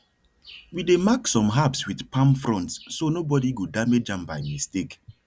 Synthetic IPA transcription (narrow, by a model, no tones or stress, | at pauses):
widemaksɔ̃mɦapswiðpãmfɹɔ̃ntsːonobɔdiɡudamed͡ʒãmbaɪmistek